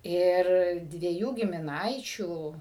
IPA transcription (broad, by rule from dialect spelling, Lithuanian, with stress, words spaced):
ˈɪr dʲʋʲiɛˈjuː ɡʲɪmʲɪˈnɐɪt͡ʃʲuː